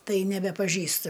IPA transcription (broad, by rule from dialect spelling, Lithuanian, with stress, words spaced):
ˈtɐɪ nʲɛbʲɛpɐˈʒʲiːstɨ